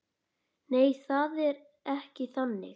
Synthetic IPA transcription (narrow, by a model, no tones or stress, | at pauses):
neːjθaðɛɾ | ɛhcɪθanːɪ̰